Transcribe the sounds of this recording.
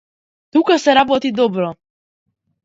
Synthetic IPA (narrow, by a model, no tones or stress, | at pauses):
t̪ukasɛɾabɔt̪id̪ɔbɾɔ